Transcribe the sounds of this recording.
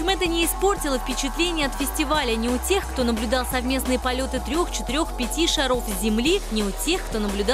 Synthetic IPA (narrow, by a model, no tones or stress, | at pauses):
emɛt̪ənʲɪːspo̞rtʲɪlˠəfpʲɪt͡ɕɪt̪lʲenʲɪjəɐt̪fʲɪsʲtʲɪvalʲənʲɪʊtʲe̞xkt̪o̞nəblʲʊd̪ɑlˠsɐvmʲe̞snɨjəpɐlʲo̞t̪ɨt̪ɾʲo̞xt͡ɕɪ̥t̪ɪɾʲo̞xpʲɪtʲiʂɐɾo̞fzʲzʲɪmlʲinʲɪʊtʲe̞xkt̪o̞nəblʲʊd̪